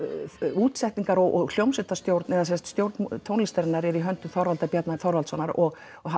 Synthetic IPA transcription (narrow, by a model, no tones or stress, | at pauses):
uːt̪sɛht̪iŋkaɾɔɣɔɣl̥jowmsɪt̪ast̪jowɾt̪nɛðasɛnst̪st̪jowɾt̪nt̪ʰownlɪst̪ɛɾɪnːaɾɛɾiɦœnt̪ʏθɔɾvalt̪apjɛt̪naθɔɾvalsɔnaɾɔɣ | a